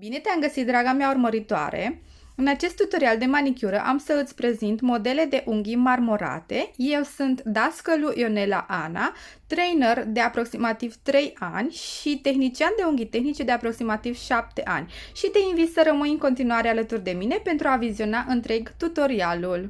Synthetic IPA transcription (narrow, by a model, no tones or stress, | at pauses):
bine̞t̪eamɡəsit̪̚d̪ɾaɡameaurməɾit̪oa̰ɾe̞̰ | ɨnat͡ʃe̞st̪ːut̪o̞ɾiald̪e̞manikʲuɾəʔamsəɨt̪sʲpɾe̞zint̪mo̞d̪e̞le̞d̪e̞ʔuŋɡʲimarmo̞ɾa̰t̪e̞je̞wsunt̪d̪askəluʔjo̞ne̞la̰ʔanat̪ɾejnerd̪e̞apɾo̞ksimat̪iv̥t̪ɾe̞janʲʃit̪e̞xnit͡ʃiand̪e̞uŋɡʲit̪e̞xnit͡ʃe̞d̪e̞apɾo̞ksimat̪iv̥ʃap̚t̪e̞ʔa̰nʲʃit̪e̞invit̪səɾəmujɨŋko̞nt̪inuaɾealət̪urd̪e̞mine̞pe̞nt̪ɾuavizio̞naʔɨnt̪ɾe̞ɡt̪ut̪o̞ɾialul